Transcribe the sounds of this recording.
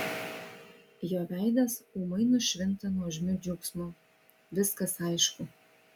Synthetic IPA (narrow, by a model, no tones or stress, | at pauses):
joːʋʲæˑɪd̪ʲɐsuːmɐɪnʊʃʲʋʲɪnˑt̪ɐnuɔʒʲmʲʊd͡ʒʲʊksmʊ | ʋʲɪskɐsɐɪʃkʊ